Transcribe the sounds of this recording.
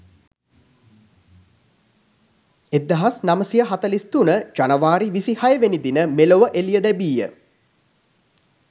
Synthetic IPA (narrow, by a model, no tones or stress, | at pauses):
ed̪ːɐɦasnaməsijəɦat̪ɐlist̪unəd͡ʒanəʋaːɾiʋisihajəʋenid̪inəmeloʋəʔelijəd̪ɛbiːjə̰